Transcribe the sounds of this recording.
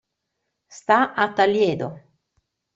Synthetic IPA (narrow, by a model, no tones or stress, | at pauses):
st̪aʔat̪ːaljɛːd̪o